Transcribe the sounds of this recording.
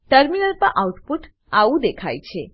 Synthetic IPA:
ʈəɾminəlpəɾʔauʈpuʈ | aʋũd̪ekʰajt͡ʃʰe

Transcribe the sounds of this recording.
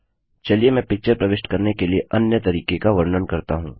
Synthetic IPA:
t͡ʃɐliemɛ̃ːpɪk̚t͡ʃəɾpɾɐʋɪʃʈkɐɾnekelieʔɐnjət̪ɐɾiːkekaʋɐɾnənkɐɾt̪aɦũː

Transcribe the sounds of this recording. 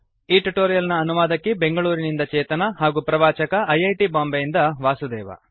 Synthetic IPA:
iːʈuʈoːɾijɐlnɐːnumaːd̪ɐkːebe̞ŋɡɐɭuːɾinind̪ɐt͡ʃɛːt̪ɐnɐɦaːɡuːpɾɐʋaːt͡ʃɐkɐʔɐjɐjʈibaːmbejind̪ɐʋaːsud̪ɛːʋɐ̰

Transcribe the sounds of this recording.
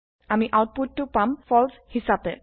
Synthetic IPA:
amiʔawt̚putːupamfɔlshisapɛ

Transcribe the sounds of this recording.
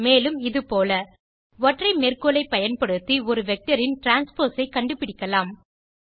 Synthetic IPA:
meːlɯmɪðɯpoːlɐ | ʋɔʈrɐɪmerkolɐɪpːɐjɐnpɐɽɯt̪ːiɔɾɯʋɛk̚ʈɐɾɪnʈɾaːnspoːɾsɐɪkːɐɳɖɯpːɪɽɪkːɐlaːm

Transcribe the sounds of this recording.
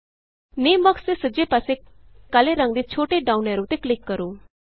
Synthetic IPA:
neːməkst̪esəd͡ʒepase | kaleɾə̃ŋɡd̪et͡ʃʰoːʈeɖaːunɛːɾot̪eklɪkːəɾoː

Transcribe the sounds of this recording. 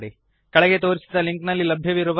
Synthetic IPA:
ɽi | kɐɭɐɡet̪o̞ːɾisid̪ɐliŋknɐlːilɐbʱjɐʋiɾuʋ

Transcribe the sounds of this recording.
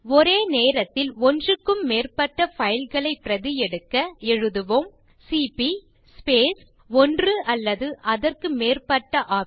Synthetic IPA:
ɔɾeːneːɾɐt̪ːɪlɔndrɯkːɯmːeːrpɐʈːɐfɐjɪlɣɐɭɐɪpːɪɾɐðɪjɛɽɯkːɐɛɻɯðɯʋom | sipi | speːs | ɔndrɯʔɐlːɐðɯʔɐðɐrkɯmeːrpɐʈːɐʔaː

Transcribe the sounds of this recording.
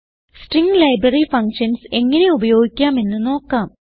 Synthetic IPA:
sʈriŋɡlɐjbrɐrifɐŋkʂɐnse̞ŋːɐne̞ubɐjo̞ːɡikʲːaːme̞nːɨno̞ːkːaːm

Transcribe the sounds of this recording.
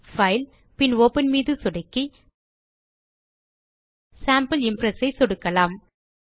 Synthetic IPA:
fɐɪl | pɪnoːpɐnmiːðɯsɔɽɐɪkːi | saːmpɐlɪmpɾɐsɐɪsɔɽɯkːɐlaːm

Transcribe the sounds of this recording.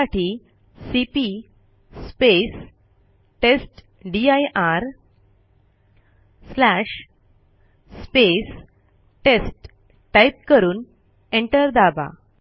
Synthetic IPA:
aʈʰi | sipi | spes | ʈesʈ | ɖiajʔaɾ | slæʂ | spes | ʈesʈ | ʈːajp̚kəɾuːn | eɳʈəɾd̪aba̰

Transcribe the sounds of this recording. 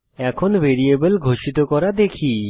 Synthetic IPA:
ɛkʰonbeɾiebəlɡʱoʃit̪okɔɾad̪ekʰi

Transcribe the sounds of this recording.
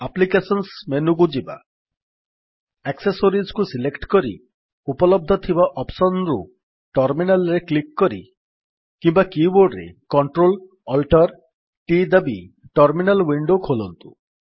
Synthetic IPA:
aplikesɔnsmenuɡud͡ʒiba̰ | ɛksesoɾid͡ʑkusilekʈkɔɾḭ | upɔlɔb̚d̪ʱɔt̪ʰibaʔɔpsɔnɾṵ | ʈɔɾminalɾeklikːɔɾḭ | kimbakiboɾɖɾḛkɔɳʈɾol | ɔlʈɔɾ | ʈid̪abi | ʈɔɾminalwiɳɖokʰolɔnt̪ṵ

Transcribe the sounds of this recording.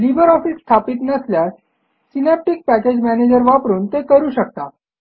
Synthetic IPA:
liʋəɾɔfisːt̪ʰapiːt̪nəsljas | sinɛp̚ʈik̚pæked͡ʑmæned͡ʑəɾʋapɾuːnt̪ekəɾuːɕək̚t̪a

